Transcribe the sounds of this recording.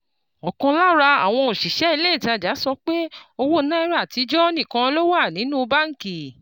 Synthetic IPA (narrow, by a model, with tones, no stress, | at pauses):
ɔ˨kã˧la˦ɾa˧a̰˨w̃ɔ̃˧o˨ʃi˨ʃɛ˨˦i˧le˦i˦˨ti˧˦a˨d͡ʒa˨˦sɔ˧k͡pe˦o˧wo˦nã˦i˦ɾa˦˨ti˨˦d͡ʒɔ˦ɔ˦nĩ˦˨kã˧lo˦wa˦˨nĩ˨˦nũ˦˧ba˦ŋ̩˨ki˨